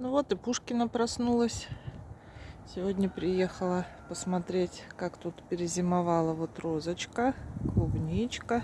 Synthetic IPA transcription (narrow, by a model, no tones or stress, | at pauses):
nʊvo̞t̪ɨpuʂkʲɪnəpɾɐsnulˠəsʲ | sʲɪvodʲnʲəpɾʲɪjexəlˠəpəsmɐt̪ɾʲetʲkakt̪ut̪pʲɪɾʲɪzʲɪmɐvalˠəvot̪rozət͡ɕkəklˠʊbnʲijt͡ɕkə